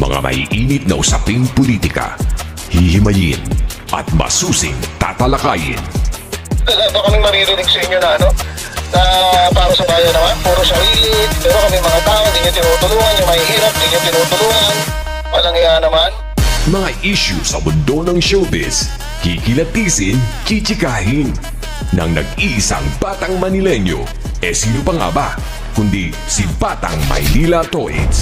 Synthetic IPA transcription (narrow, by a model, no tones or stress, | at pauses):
mɐ̰ŋa̰mɐ̰hḭʔiːnɪt̪̚nɐ̰ʔʊsɐpiŋpoliːt̪ɪkɐ̰ | hɪhɪmɐjɪ̰n | ʔɐ̰t̪̚mɐ̰suːsɪ̰ŋt̪a̰ːt̪ɐlɐkaːjɪ̰n | lɐland̪okɐmɪŋmɐɾiːɾɪnɪɡsɐʔɪɲːonɐʔɐno̞ | nɐpaːɾɐsɐbaːjɐnɐmanpɛːɾɐʃɐʔiɪd̪mɛːɾokɐmɪŋmɐŋat̪aːnd̪iːɲot̪ɪnuːt̪ʊluːŋɐnjɐmɐhihiːɾɐp̚d̪iɲot̪ɪnuːt̪ʊluːŋɐn | wɐlɐŋjanɐman | mɐŋaʔiʃʊ̰sɐbʊnd̪o̞nɐŋʃowbɛ̰s | kikɪlɐt̪iːsɪnt͡ʃit͡ʃɪkaːhɪn | nɐ̰ŋnɐ̰ɡ̚iʔsɐ̰ŋbat̪ɐŋmɐnɪlɛnjo̞̰ | ʔɛsiːnʊpɐŋɐ̰ba | kʊnd̪i | sibaːt̪ɐ̰ŋmɐ̰jlilɐt̪oʔɪ̰